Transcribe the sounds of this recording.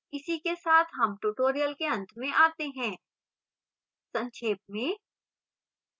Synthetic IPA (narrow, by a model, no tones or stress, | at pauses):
ɪsikesaːt̪ʰɦɐmʈuʈoːɾijəlkeɐ̃nt̪ʰmẽʔaːt̪eɦɛ̃ː | sɐ̃nʃʰeːp̚mẽː